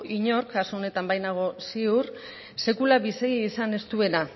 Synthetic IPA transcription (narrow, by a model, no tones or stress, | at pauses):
ʔiɲo̞ɾkasoone̞t̪ambajnaɣ̞o̞siur | se̞kulaβiseiːsane̞st̪ue̞na